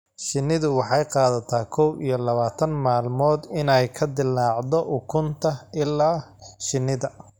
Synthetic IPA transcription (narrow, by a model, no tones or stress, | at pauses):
ʃɪnːɪðʊwɑħɑjqɑːðɐt̪ʰaːkʰɔwijɞlɐβaːt̪ʰɐnmaːlmɔːd̪ɪnɛjkʰɐd̪ɪlːɑːʕd̪ɔʔʊkʰʊnt̪ʰɐʔɪlːaːʃɪnːɪðɐ